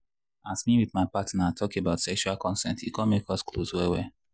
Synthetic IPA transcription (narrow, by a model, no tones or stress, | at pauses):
asmĩwiðmaɪpatnatʰɔkebaʊtsɛkʃualkɔ̃nsɛ̰̃ntiɡɔ̃mekɔskloswɛwɛ